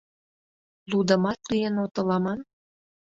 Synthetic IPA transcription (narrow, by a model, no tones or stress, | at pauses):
lud̪ə̆mɑt̪lijenot̪ə̆lɑmɑn